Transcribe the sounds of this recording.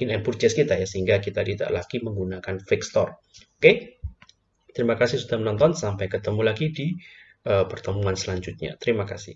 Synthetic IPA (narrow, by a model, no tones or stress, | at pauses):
ɪnɛnpurt͡ʃd͡ʒɛskit̪ajasəɦiŋɡakit̪adid̪a̰ʔlaɡ̥iməŋɡunakanfɛkst̪ɔr | oke | t̪əɾimakasɪhsudahmənɔnt̪ɔnsampajkət̪əmulaɡidi | əpərt̪əmuŋansəlaɲd͡ʒut̪̚ɲa̰t̪əɾimakasɪ̰h